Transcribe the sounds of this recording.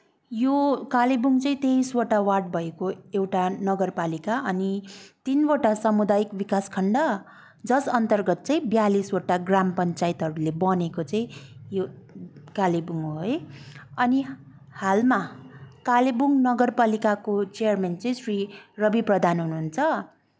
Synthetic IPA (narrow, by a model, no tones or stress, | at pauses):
jokalebuŋt͡sʌĩt̪eiswoʈawaʈ̚bʱʌekoewʈanʌɡʌrpalikaʌnit̪inboʈasʌmud̪ajikbikaskʰʌɳɖʌ | d͡zʌsʌnt̪ʌrɡʌt̪̚t͡sʌĩbjaliswoʈaɡrampʌnt͡sait̪ɦʌɾulebʌnekot͡sʌĩjo | kalebuŋojʌni | halmakalebuŋɡnʌɡʌrpalikakot͡sejʌrment͡sʌĩsrirʌbiprʌd̪ʱanɦunuɦunt͡sʰʌ